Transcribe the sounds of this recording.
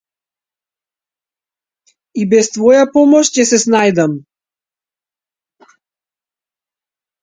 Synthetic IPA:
ibɛst̪vɔjapɔmɔʃcʲɛsɛsnajd̪am

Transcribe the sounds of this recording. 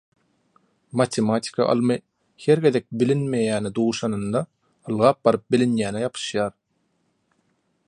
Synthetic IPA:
mɑt̪ʲʰemɑt̪ʰʲi̥kʰɑ̰ʔɑ̰lˠmɯ | he̞ɾɡe̞ðek̚bilinme̞jæːnid̪uːʃɑnɯnd̪ɑ | ɯlˠʁɑːp̚b̥ɑɾɯp̚bilinjæːnejɑpʰɯ̥ʃjɑːɾ

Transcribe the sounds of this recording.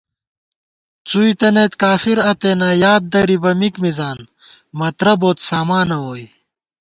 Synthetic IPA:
t͡suːit̪ɐneːt̪kaːfiɾɐt̪enɐjaːd̪̚d̪ɐɾibɐmikmizaːn | mɐt̪ɾɐboːt̪saːmaːnɐwoːj

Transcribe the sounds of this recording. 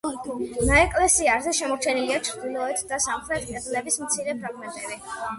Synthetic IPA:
naɛkʼlɛsiazɛʃɛmɔɾt͡ʃʰɛniliat͡ʃʰɾd̪ilˠɔɛt̪ʰd̪asamχɾɛt̪ʰkʼɛd̪lɛbismt̪sʰiɾɛpʰɾaɡmɛnt̪ʼɛbi

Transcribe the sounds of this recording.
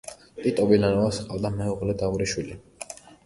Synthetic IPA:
t̪ʼit̪ʼɔbilanɔvasqʼavd̪amɛuʁlɛd̪auɾiʃwili

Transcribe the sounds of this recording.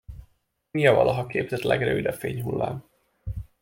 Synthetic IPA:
ijɒvɒlʔɒɦɒkeːbzɛt̪lɛɡrøːvid̪ɒfeːɲɦulːa̰ːm

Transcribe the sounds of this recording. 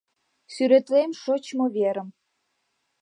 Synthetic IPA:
syɾĕt̪lemʃot͡ɕmɤ̆vʲeɾə̆m

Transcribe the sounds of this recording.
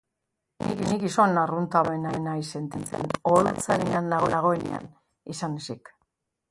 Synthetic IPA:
nḭkinikisonarunt̪aβenaenajse̞nt̪it͡sḛnolt͡saɾeŋɡand̪aɣo̰laɣ̞o̞enḛa̰n | isanesik

